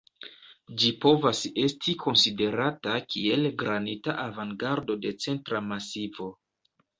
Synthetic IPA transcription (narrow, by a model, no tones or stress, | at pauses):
d͡ʒipo̞vase̞stʰikʰo̞nside̞ɾatakʰie̞lɡɾanitaʔavaŋɡaɾdo̞de̞t͡se̞ntɾamasivo̞